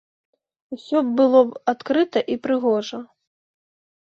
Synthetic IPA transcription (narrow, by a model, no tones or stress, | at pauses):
usʲɔbbɨlˠɔbat̪kɾɨt̪ɐʔipɾɨɣɔʐɐ